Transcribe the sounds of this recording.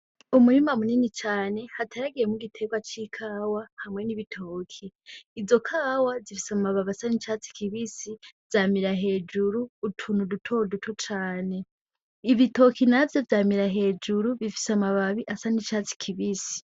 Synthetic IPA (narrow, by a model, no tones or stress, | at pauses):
umuɾimamuninit͡ʃaːne̞hatʰaɾaɡijemuɡitʰeɡwat͡ʃikʰaːwahamŋe̞niβitʰo̞ːkʰiːzo̞kʰaːwazifi̥samaβaβasanit͡ʃaːt͡si̥kʰiβisivz̥aːmiɾaɦe̞ːd͡ʒuɾuːtʰunudutʰodutʰut͡ʃaːne̞ | iβito̞kinavjo̞vjaːmiɾaɦe̞d͡ʒuɾuβifi̥samaβaβiʔasanit͡ʃaːt͡si̥kʰiβisi̥